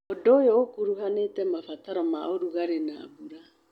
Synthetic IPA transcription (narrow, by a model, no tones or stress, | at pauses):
ɔdɔjɔkuɾuɦanɛtɛmafataɾɔmaʔoɾuɡaɾɛna̰ːbuɾa